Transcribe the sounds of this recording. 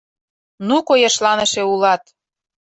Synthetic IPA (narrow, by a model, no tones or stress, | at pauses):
nukojeʃlɑnə̆ʃĕulɑt̪